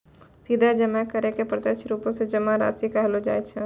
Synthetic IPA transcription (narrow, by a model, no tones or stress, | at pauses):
sid̪ʱad͡ʒəmɛkəɾekepɾət̪et͡ʃʰɾupõsẽd͡ʒəmaɾa̰sikaɦlod͡ʒa̰j̪t͡ʃʰə